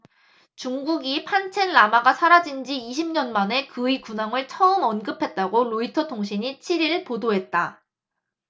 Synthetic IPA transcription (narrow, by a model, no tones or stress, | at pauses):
t͡ɕuŋɡuɡipʰant͡ɕʰenːamaɡasʰaɾad͡ʑind͡ʑiiɕʰimɲʌnmane̞kɯikunaŋɯɭt͡ɕʰʌɯmʌnɡɯpʰe̞t̚t͈aɡoɾoitʰʌtʰoŋɕʰiɲit͡ɕʰiɾiɾɯɭpodoɦe̞t̚t͈a